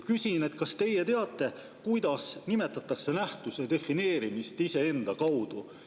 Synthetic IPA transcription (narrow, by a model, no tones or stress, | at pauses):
kysʲine̞t̪ˑkɑst̪e̞jet̪e̞ɑt̪ːˑe̞ | kujd̪̥ɑsnime̞t̪ːˑɑt̪ːˑɑkse̞næht̪used̪e̞fine̞ːɾimist̪ise̞e̞nd̪̥ɑkɑwd̪̥u